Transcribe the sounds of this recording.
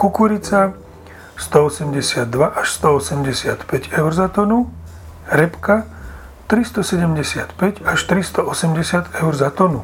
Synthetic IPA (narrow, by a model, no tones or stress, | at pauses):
kukuɾit͡sa | st̪ɔɔsɛmɟɛsɪad̪ːʋaʔaʃst̪ɔɔsɛmɟɛsɪat̪pɛɟɛʊɾzat̪ɔnu | ɾɛpka | t̪ɾist̪ɔsɛɟɛmɟɛsɪat̪pɛɟaʃt̪ɾist̪ɔɔsɛmɟɛsɪat̪ɛʊɾzat̪ɔnu